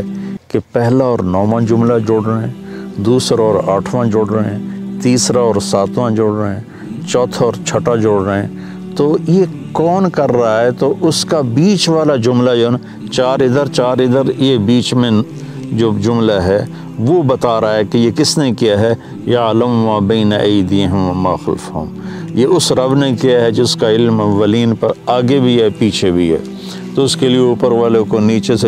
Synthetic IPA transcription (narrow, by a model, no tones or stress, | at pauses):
kepɛɦlaɔːɾnɔːʋãd͡ʒʊmlad͡ʒʊɽɾəɦɛ̃ːd̪uːsɾaɔːɾaːʈʰʋãd͡ʒʊɽɾəɦɛ̃t̪iːsɾaɔːɾsaːt̪ʰʋãd͡ʒʊːɽɾəɦɦɛ̃ː | t͡ʃɔːt̪ʰɔːɾt͡ʃʰɐʈad͡ʒoːɽɾəɦɛ̃ː | t̪oːje | kɔːnkɐɾːaɦaɦɛt̪oʔʊskabiːt͡ʃʋaːlad͡ʒʊmlajon | t͡ʃaːɾɪd̪əɾt͡ʃaːɾɪd̪əɾjebiːt͡ʃmẽ | d͡ʒoːd͡ʒʊmlaɦɛ | ʋobɐt̪aːɾaɦaɦɛkejekɪsnekijaɦɛ | jɐːlɐmmaːbɐːnɐʔɐɪd̪iːɦʊmʋɐmaːxlfɦʊ̰mjeʊsɾɐʋnekijaɦɛd͡ʒɪskaɪlmʋɐliːnpɐɾaːɡebʱiɦɛpiːt͡ʃʰebʱiɦɛ̰ː | t̪oʊskelieuːpəɾʋaːlẽkoniːt͡ʃese